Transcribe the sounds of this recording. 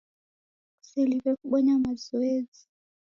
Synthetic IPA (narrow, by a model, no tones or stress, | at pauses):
u̥seliɓɛkʼuɓɔɲamazɔeːd͡zi̥